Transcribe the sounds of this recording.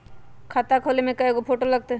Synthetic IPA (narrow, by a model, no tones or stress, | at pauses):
kʰat̪akʰoːlemẽkɐeɡopʰoʈolɐɡ̚t̪e